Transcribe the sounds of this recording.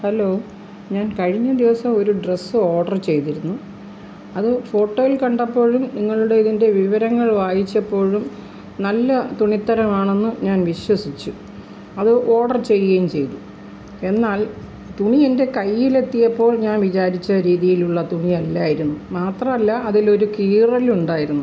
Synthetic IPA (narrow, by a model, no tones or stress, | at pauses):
hɐlːo̞ː | ɲaːnkɐɻiɲːɐd̪iʋɐsɐmo̞ɾuɖresːɨo̞ːɽɐrt͡ɕe̞jt̪iɾunːu | ɐðɨfo̞ːʈːo̞ːjilkɐɳɖɐpːo̞ːɻumniŋːɐɭuɽe̞iðinde̞ʋiʋɐɾɐŋːɐɭʋaːjit͡ɕːɐpːo̞ːɻum | nɐlːɐt̪uɳit̪ːɐɾɐmaːɳe̞nːɨɲaːnʋiɕwɐsit͡ɕːu | ɐðɨʔo̞ːɽɐrt͡ɕe̞jːejmt͡ɕe̞jt̪u | e̞nːaːl | t̪uɳiende̞kɐjːile̞t̪ːijɐpːo̞ːɭɲaːnʋit͡ɕaːɾit͡ɕːɐɾiːðijiluɭːɐt̪uɳiɐlːaːjiɾunːumaːt̪rɐmɐlːɐɐðilo̞ɾukiːrɐluɳɖaːjiɾunːu